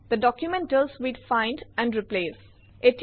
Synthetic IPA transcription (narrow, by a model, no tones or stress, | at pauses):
d̪̥əɖɔkjumɛ̃nʈəlswiɖfãɪ̃nɖæ̃ɳɖɾipleːs | ʔeʈ